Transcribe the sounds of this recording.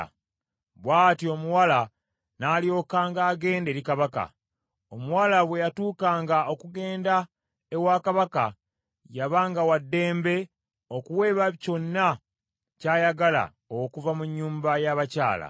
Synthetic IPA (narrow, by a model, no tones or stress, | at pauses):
βwaːtio̞muwala | naːljo̞kaːŋɡaːɡe̞ːnde̞ːɾikaβaka̰ | omuwalaβwe̞jatuːkaːŋɡao̞kuɡe̞ːnda | ewakaβaka̰ | jaβaːŋɡawadːe̞ːmbe̞ | o̞kuwe̞ːβaco̞nːa | caːjaɡala̰ | okuvamuɲːuːmbajaβacaːla̰